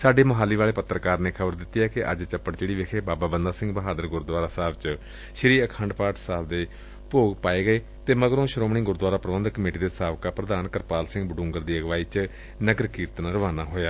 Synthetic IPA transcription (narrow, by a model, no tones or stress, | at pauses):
saːɖeːməɦaːliːʋaːɭeːpət̪ːɾəkaːɾneːkʰəbəɾd̪ɪt̪ːiɛːkɪʔə̰d͡ʒt͡ʃəpːəʈt͡ʃeːɽiːʋekʰeːbaːbaːbənd̪aːsɪ̃ŋɡbəɦaːd̪əɾɡʊɾd̪ʋaːɾaːsaːbt͡ʃ | ʃɪɾiːəkʰə̃ɳɖpaːʈsaːbd̪eː | poːɡpaːeːɡəeː | t̪eːməɡɾõːʃɾoːmɳ̃iːɡʊɾd̪ʋaːɾaːpɾəʋə̃nd̪kəmeːʈiːd̪eːsaːʋkaːpɾəd̪aːnkəɾpaːlsɪ̃ŋɡbəɖʊ̃ːŋɡəɾd̪iːəɡʋaːiːt͡ʃ | nəɡəɾkiːɾt̪nãːɾəʋaːnaːɦoːjaː